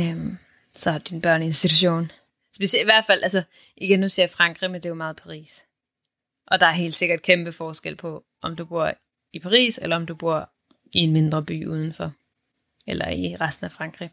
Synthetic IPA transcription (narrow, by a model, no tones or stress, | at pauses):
m | sɒ̽hɑd̥inb̥ɶɐ̰nəe̝nsd̥it͡sʰuɕo̝̰ːn | sb̥e̝ɕeliʋæɐd̥fæl̰ʔæls̬ə | ʔiɡ̥enːuseɐɐfʁɑ̈ŋɡ̥ʁimend̥e̝jomɑ̈ːð̩ˠpʰɑ̈ʁḭːs | ʔɒ̽d̥ɑ̈æɐɦe̝̰ːld̥se̝ɡ̥ɐd̥̚kʰemb̥əfɒːsɡ̥el̰pʰɒ̽ | ʔɒ̽md̥ub̥uɐ̰ | ipʰɑ̈ʁḭːselɐɒ̽md̥ub̥uɐ̰ | ie̝nme̝nd̥ʁɐb̥y̰ːuð̞ˠn̩fɒ̽ | elʔɐiʁasd̥n̩æfʁɑ̈ŋɡ̥ʁi